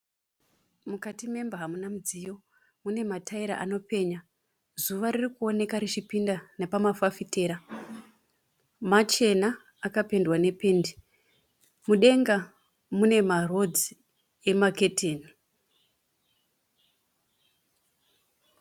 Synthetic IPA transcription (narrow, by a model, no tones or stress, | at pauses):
mukatime̞mbaɦamunamud͡zijo̞ | mune̞matʰaiɾa̰ʔano̞pe̞ːɲa | zuʋaɾirikuo̞ne̞kaɾit͡ʃipindanepamafafite̞ːɾa | mat͡ʃe̞naː | kape̞ndwane̞pe̞ndi | muɗe̞ŋɡa | mune̞maro̞d͡zi | e̞make̞tʰeːni